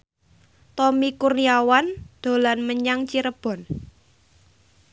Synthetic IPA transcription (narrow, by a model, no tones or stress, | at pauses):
t̪ɔmikurniawand̪̥o̤lanməɲaŋt͡ʃiɾəb̥ɔ̤n